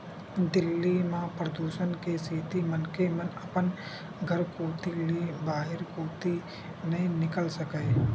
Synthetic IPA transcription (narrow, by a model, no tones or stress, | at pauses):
d̪ɪlːimãːpɾəd̪uːʃənkesiːt̪imənkemənəpən | ɡʱəɾkoːt̪ɪlibaːɦɪɾkoːt̪i | nɐɦĩnɪkəlsəkəː